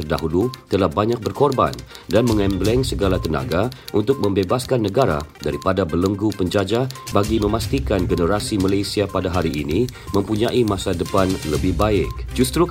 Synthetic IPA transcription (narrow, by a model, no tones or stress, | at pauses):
ərda̰ɦulut̪əlahbaɲak̚bərkɔrba̰ndanmə̃ŋɛmblɛŋsəɡalat̪əna̰ɡaʔunt̪ʊk̚mə̃mbebaskanːəɡaɾa̰daɾipadabələŋɡupəɲd͡ʒad͡ʒabaɡimə̃mast̪ikanɡənəɾasimalajsiapadaɦaɾiʔːni | mə̃mpuɲãʔimãsadəpanləbɪhbaɪk̚d͡ʒust̪ɾu